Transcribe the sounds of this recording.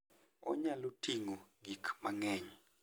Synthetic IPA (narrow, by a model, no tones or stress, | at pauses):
ɔ̰ɲalotiŋoɡikmaŋɛɲ